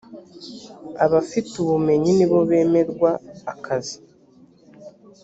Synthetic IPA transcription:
aβafituβume̞ɲiniβo̞βe̞ːme̞ɾɡwaːkʰazi̥

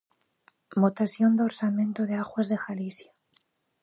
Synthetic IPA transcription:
mot̪asjo̞nd̪o̞ɾsamẽ̞nt̪oðeaɣwazðe̞xalisja

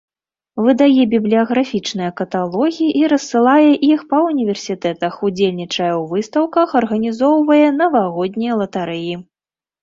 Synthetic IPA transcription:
vɨd̪ajɛbʲiblʲijɐɣɾafʲit͡ʂnɨjɐkɐt̪alˠɔɣʲijiʔiɾɐsːɨlˠajɛʔixpɐunʲivʲɛrsʲit̪ɛt̪ɐxud͡zʲelʲnʲit͡ʂɐjɐwvɨst̪ɐwkɐxɐrɣɐnʲizɔwvɐjɛnɐvaɣɔd̪ʲnʲijɐlˠɐt̪aɾɨji

